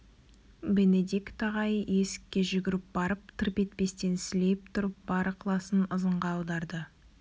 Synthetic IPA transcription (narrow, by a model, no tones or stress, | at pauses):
bened̪ekt̪ɑʁɑjje̞sɪ̥kʲːe̞ʒʏɡʲɪɾɪp̚b̥ɑɾəp̚t̪ʰɪɾpe̞t̪̚pe̞st̪e̞nsɪle̞jp̚t̪ʰʊɾəp̚b̥ɑɾəqʰlˠɑsənəzəɴʁɑːwd̪ɑɾd̪ə